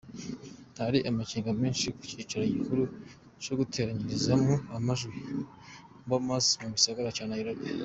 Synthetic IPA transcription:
haɾiʔamaciːŋɡameːnʃiku̥cit͡ʃaɾaɟikuɾu | t͡ʃoɡutʰe̞ːɾaɲiɾizamuamaʒɡwi | mbomasmumisaɡaɾat͡ʃaːnajiɾoɡe

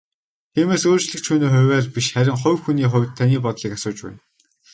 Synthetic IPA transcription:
t̪ʰiːmeːsoːrt͡ɕɮɘ̆kt͡ɕʰuːniːχʊwʲæːrpiʃχæɾʲɪ̆ŋχʊ̟wxuniːχʊ̟wʲt̪ʰːaniːpɔt̪ɮiːkasʊːt͡ɕpæ̰ːn

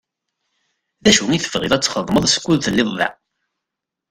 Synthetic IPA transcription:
ðæʃwŋiθəvʁɪ̰ðˤæt͡sːχəðˤməðˤsə̥kʷːuðθəlːɪðˤðæ̰

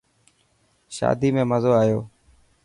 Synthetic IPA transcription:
ʃa̰ːd̪iːmẽːməzoːaːjoː

